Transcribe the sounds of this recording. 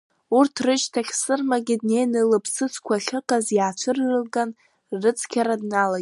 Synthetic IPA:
urtʰrɨt͡ʃtʰaχʲsɨrmaɡʲɪdnejnɨlɨpʰsɨt͡sʰkʷʰaɬʲɨqʼazjaːt͡ʃʷʰɨrːɨlɡan | rɨt͡sʰkʲʰaɾadnala

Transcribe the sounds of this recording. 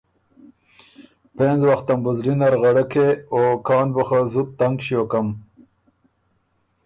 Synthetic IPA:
penzwaxt̪ambuzɾinaɾɣaɽəkʰeokɑːnbəxazut̪̚t̪ːaŋɡʃijokam

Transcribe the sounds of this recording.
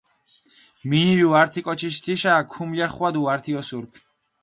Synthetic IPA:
miniwiwaɾt̪ʰikʼɔt͡ʃʰiʃ̬t̪ʰiʃaːkʰumljaχwad̪uaɾt̪ʰiɔsuɾkʰ

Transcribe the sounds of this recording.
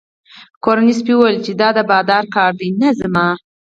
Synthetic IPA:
koɾanispiwəlt͡ʃed̪ɑd̪əbɑd̪ɑɾkɑɾd̪inazamɑ

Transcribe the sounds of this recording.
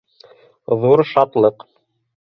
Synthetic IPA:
ðuɾʃɑt̪lˠɤq

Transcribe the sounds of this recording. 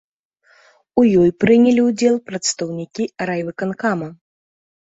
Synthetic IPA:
ujɔjpɾɨnʲɛlʲiwd͡zʲɛlˠpɾɐt̪st̪ɐwnʲikʲiɾajvɨkɐnkamɐ

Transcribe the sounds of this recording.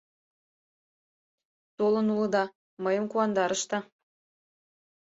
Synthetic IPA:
t̪olənulɤ̆d̪ɑ | məjəmkuɑnd̪ɑɾəʃt̪ɑ

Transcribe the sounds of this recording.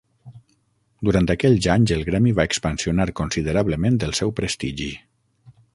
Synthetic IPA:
d̪uɾant̪əkɛʎzaɲzəlˠɣɾɛmiβaekspənsiunaɾkonsiðəɾaβləmẽnd̪əlˠsɛwpɾəst̪iʒi

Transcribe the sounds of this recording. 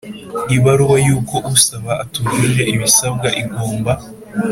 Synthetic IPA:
iβaɾuwajuːko̞ʔusaβaʔatuɡiʒe̞iβisab̚ɡaʔiɡoːmba

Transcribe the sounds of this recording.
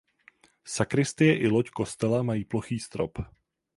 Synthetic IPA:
sakɾɪst̪ɪjɛʔɪlocko̞st̪ɛlamajiːplo̞xiːst̪ɾo̞p

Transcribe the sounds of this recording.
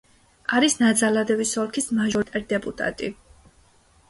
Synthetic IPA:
aɾisnad̪zalad̪ɛvisɔlkʰismaʒɔɾit̪ʼɛɾid̪ɛpʼut̪ʼa̰t̪ʼi

